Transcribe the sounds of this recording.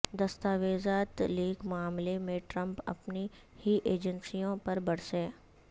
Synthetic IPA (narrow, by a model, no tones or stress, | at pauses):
d̪ɐst̪aːʋeːzaːt̪liːɡmʊaːmlemẽʈɾɐ̃mpɐ̰pni | hiʔeːd͡ʒənsijõpɐɾbɐɽ̤seː